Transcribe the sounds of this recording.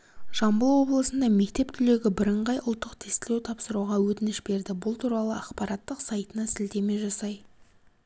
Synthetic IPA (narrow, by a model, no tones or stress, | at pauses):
ʒ̥ɑmbəlˠwo̞blˠəsənd̪ɑme̞k̚t̪e̞p̚t̪ʰʏle̞ɡʲɪbɪɾəɴʁɑjʔʊlˠt̪ːəqt̪ʰest̪ɪlewt̪ʰɑpsəɾuʁɑwɵt̪ɪnɪʃbe̞ɾd̪ɪbʊlˠt̪ʰuɾɑlˠəɑqpɑɾɑt̪ːəqsɑjt̪ənɑsɪlt̪e̞me̞ʒɑsɑj